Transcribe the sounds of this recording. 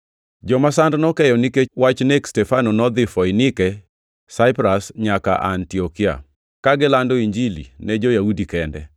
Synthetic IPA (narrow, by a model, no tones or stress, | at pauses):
d͡ʒɔmasandnɔkɛjɔnikewat͡ʃnekstɛfanonɔd̪ɪfɔinɪkɛ | saɪpɾasɲaka̰ʔantiɔkia̰ | kaɡɪlandɔiɲd͡ʒilḭnɛd͡ʒojaudikɛndɛ̰